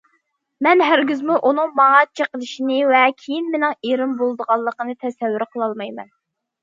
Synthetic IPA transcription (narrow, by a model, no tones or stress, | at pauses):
mɛnɦæɾɡʲyzmuʔunɨŋmɑŋɑt͡ʃʰeqəlˠɨʃinɨvɛkʲʰejinmenɪŋeɾɪmbolˠd̪əʁɑlˠːəqənɨt̪ʰɛsɛvːyɾqʰəlˠɑlˠmɑjmɛ̰n